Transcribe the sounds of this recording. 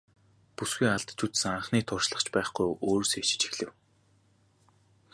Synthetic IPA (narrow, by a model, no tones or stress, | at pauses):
pusɡujaɮt̪t͡ɕʰut̪saɴχniːt̪ʰʊrʃɮə̆χt͡ɕpæːχɡujʔoːɾ̆set͡ɕɪ̥̆t͡ɕɪ̥̆xɮɘ̆w